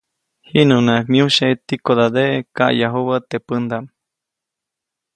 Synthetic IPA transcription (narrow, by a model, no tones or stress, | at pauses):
hinunakmiuʃet̪ikod̪ad̪eʔka̰ʔjaɦuβət̪epɨnd̪am